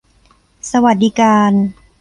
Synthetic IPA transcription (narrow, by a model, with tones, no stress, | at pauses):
sa˧wa˨˩t̪̚diː˦˧kaː˧n